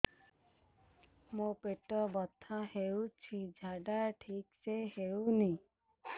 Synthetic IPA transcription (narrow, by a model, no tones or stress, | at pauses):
mõpeʈɔbɔt̪ʰahewt͡ʃʰid͡ʒʱaɖaʈʰikseheuni